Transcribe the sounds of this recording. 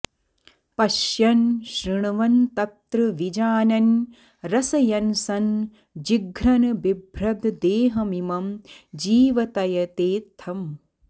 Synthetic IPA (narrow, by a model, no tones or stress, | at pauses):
pɐʃjɐnʃɾiɳuʋɐnt̪ɐt̪ɾɨʋid͡ʒaːnɐn | ɾɐsɐjɐnsɐn | d͡ʒiɡʱɾɐnɐbibʱɾɐd̪d̪eːɦɐmimɐmd͡ʒiːʋɐt̪ɐjɐt̪eːt̪ʰːɐm